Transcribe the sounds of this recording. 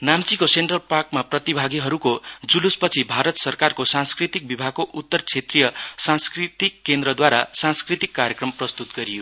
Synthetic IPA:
namt͡sikosenʈrʌlparkmaprʌt̪ibʱaɡiɦʌɾukod͡zuluspʌt͡sʰibʱaɾʌt̪sʌrkarkosãnskrit̪ik̚bibʱaɡ̚koʔut̪ːʌrt͡sʰet̪rijʌsãnskrit̪ikːend̪ɾʌd̪waɾasãnskrit̪ikːaɾjekrʌmprʌst̪ut̪ɡʌɾijo

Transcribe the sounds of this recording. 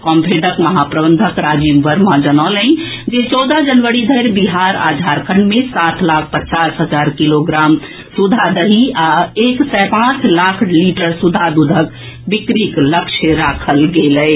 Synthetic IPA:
kɔmpʰeɖəkməɦapɾəbə̃nd̪ʱəkɾad͡ʒimʋəɾmad͡ʒənalə̃ | d͡ʒet͡ʃɔːd̪ad͡ʒənʋəɾid̪ʱəjɾbiɦaɾa̰ːd̪ʱaɾkʰəɳɖmẽsat̪ʰlaːkʰpət͡ʃasɦəd͡ʒaːɾkiloɡɾaːm | sud̪ʱad̪əɦiaeksɛpãt͡ʃlakʰliʈəɾsud̪ʱad̪ud̪ʱək | bikɾikləkʃʰəɾakʰəlɡelɛɪ

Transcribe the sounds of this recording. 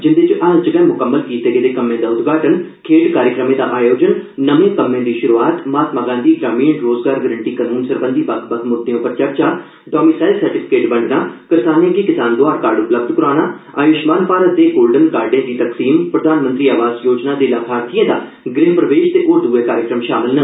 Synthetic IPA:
d͡ʒɪnd̪et͡ʃʔaːzd͡ʒəɡɛːmʊkəmːəlkiːt̪eːɡed̪eːkəmːẽːd̪aːʊt̪ɡaːʈən | kʰeːɖkaːɾjəkɾəmẽːd̪a̰ːʔaːjoːd͡ʒənnəʋẽːkəmːẽːd̪iːʃʊɾuaːt̪maːt̪maːɡãːnd̪iːɡɾaːmiːɳɾoːzɡaːɾɡəɾəɳʈiːkaːnuːnsəɾbə̃nd̪iːbəɡbəɡmʊd̪ːejõːpəɾt͡ʃəɾt͡ʃaː | ɖɔːmiːsaːɪlsəɾʈɪpʰɪ̥keːʈbə̃ɳɖnaːkɪɾsaːnãɡiːkɪsaːnd̪oaːɾkaːɾɖʊpləb̚d̪kʊɾaːnaːa̰ːjʊʃmaːnpaːɾət̪̚d̪eːɡoːlɖənkaːɾɖjẽːd̪iːt̪əksiːmpɾəd̪ʱaːnmə̃nt̪ɾiːaːʋaːzjoːd͡ʒnaːd̪eːlaːkʰaːɾt̪ʰijẽːd̪a̰ː | ɡɾɪɦpɾəʋeːʃt̪eːʔoːɾd̪uːeːkaːɾjɪkɾəmʃaːmɪlnə

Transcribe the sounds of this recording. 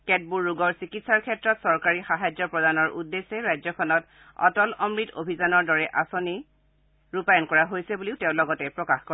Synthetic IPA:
kɛt̚buɹːuɡɔɹsikitsaɹkʰɛtɹɔtsɔɹkaɹixaɦajzɔpɹɔdanɔɹʔudːesɛɹajzɔkʰɔnɔt | ɔ̰tɔlɔmɹito̰bʱizanɔɹdɔɹɛʔasoni | ɹupajɔnkɔɹaɦojsɛbuliʊteʊ̃lɔɡɔtɛpɹɔkaxkɔ

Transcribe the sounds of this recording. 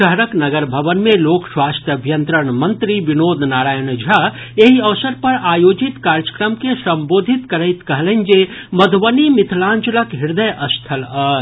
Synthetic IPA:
ʃəɦɾəknəɡəɾbʱəbənmelokswast̪ʰjəbʱjənt̪ɾəɳmənt̪ɾibinod̪ʱnaɾaːjənd͡ʒʱa | eɦiəʋsəɾpəɾaːjod͡ʒit̪kaɾt͡ʃə̥kɾəmkesəmbod̪ʱit̪kəɾəjt̪kəɦlənd͡ʒe | məd̪ʱʋənimit̪ʰlãnt͡ʃələkɦiɾd̪əjʔəst̪ʰələ

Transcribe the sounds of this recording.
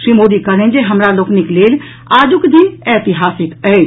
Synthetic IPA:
ʃɾimoːd̪ikəɽẽnd͡ʒeɦɐmɾaloːknikleːl | aːd͡ʒʊkd̪ʱinɛːt̪ɪɦaːsɪkəe

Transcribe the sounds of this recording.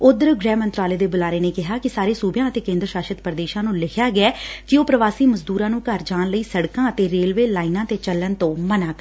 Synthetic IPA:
ʊd̪əɾɡɾɛːmənt̪ɾaːleːd̪eːbʊlaːɾeːneːkɪɦaːkɪsaːɾeːsuːbjãːət̪eːkẽːnd̪ɾʃaːʃət̪pəɾd̪eːʃãːnũːlɪkʰjaːɡɪɛːkɪoːpɾəʋaːsiːməzd̪uːɾãːnũːkəɾd͡ʒaːnləiːsəɽkãːət̪eːɾeːlʋeːlaːiːnãːt̪eːt͡ʃəlːənt̪õːmənaːkː

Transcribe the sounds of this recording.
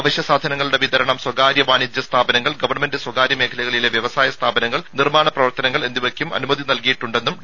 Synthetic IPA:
ʋɐɕjɐsaːd̪ʱɐnɐŋːɐɭuɽe̞ʋid̪ɐɾɐɳɐmswɐɡaːɾjɐʋaːnid̪jɐst̪ʰaːbɐnɐŋːɐɭɡɐʋɐrɳːɐme̞ndɨswɐɡaːɾjɐme̞ːkʰɐlɐɣɐɭile̞ʋjɐʋɐsaːjɐst̪ʰaːbɐnɐŋːɐɭnirmaːɳɐprɐʋɐrt̪ɐnɐŋːɐɭe̞nd̪iʋɐkʲjumɐ̰numɐd̪ʱinɐlkijiʈːuɳɖe̞nːum

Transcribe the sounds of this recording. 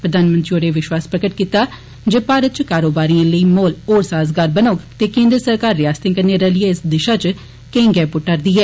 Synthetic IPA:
pɾəd̪ʱaːnmənt̪ɾioːɾeʋɪʃwaːspɾəkəʈkiːt̪aː | d͡ʒeːpaːɾət̪̚t͡ʃkaːɾoːbaːɾijãːləiːmoːloːɾsaːzɡaːɾbənoːɡt̪eːkẽːnd̪ɾəsəɾkaːɾːɪjaːst̪ɪ̃ŋkəneɾəlieɪsd̪ɪʃaːt͡ʃ | kẽːŋɡɛːpʊʈːəɾd̪iːɦɛː

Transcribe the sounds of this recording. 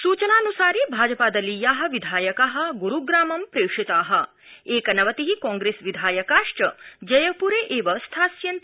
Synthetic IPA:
suːt͡ʃɐnaːnusaːɾibʱaːd͡ʒɐpaːd̪ɐlːijaːɦɐ̆ʋid̪ʱaːjɐkaːɦɐ̆ɡuɾuɡɾaːmɐmpɾeːkʂit̪aːɦɐ̆ | eːkɐnɐʋɐt̪iɦikɔ̃ːŋɡɾesʋid̪ʱaːjɐkaːʂʈɐd͡ʒɐjɐpuɾeːʔeːʋɐst̪ʰaːsjɐnt̪

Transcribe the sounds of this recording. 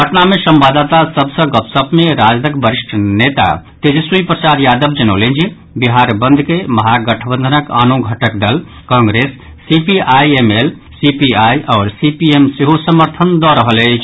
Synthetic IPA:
ɡʱəʈnamesəmbad̪at̪asəbsə̃ɡəpsəbmeɾad͡ʒd̪əkbəɾiʂʈʰnet̪a̰t̪ed͡ʒsujpɾət͡ʃaɾjad̪əbd͡ʒənəʊlẽnd͡ʒi | biɦaɾbənd̪ʱkeməɦaɡəʈʰəbə̃nd̪ʱənəka̰noɡʱəʈəkd̪əl | kɔ̃ŋɡɾesː | ipiajemel | sipiajʔɔːɾsipiemseɦosəməɾt̪ʰənd̪ɔɾəɦəle

